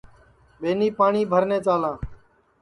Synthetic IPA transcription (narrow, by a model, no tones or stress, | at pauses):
ɓeːniːpaːɳiːbʱəɾneːt͡ʃaːlãː